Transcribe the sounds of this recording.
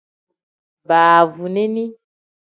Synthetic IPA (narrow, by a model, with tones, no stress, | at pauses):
baː˨vu˨ne˦nĩ˦